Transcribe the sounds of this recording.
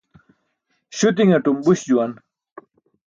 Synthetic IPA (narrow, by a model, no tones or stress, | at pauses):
ɕut̪̬iŋɐʈumbuɕd͡ʑuwan